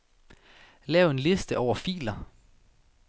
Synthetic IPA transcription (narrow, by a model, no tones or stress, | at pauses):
lɛːʊe̝nle̝sd̥əʔɒʊ̰ɐfḭːlɐ